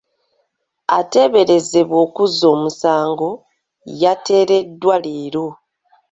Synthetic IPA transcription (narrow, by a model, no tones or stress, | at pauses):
ate̞βe̞ɾe̞ze̞βwo̞ːkuzo̞ːmusaːŋɡo̞ | jate̞ːɾe̞dːwaleːɾo̞